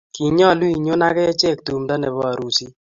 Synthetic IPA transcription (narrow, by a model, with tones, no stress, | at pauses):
ki˨ɲɔ˦˨lwi˨ɲo˦na˦kɛ˦ɛ˦t͡ʃɛ˦˨k̚tu˨mda˦nɛ˨βɔ˦a˨ɾu˦ti˦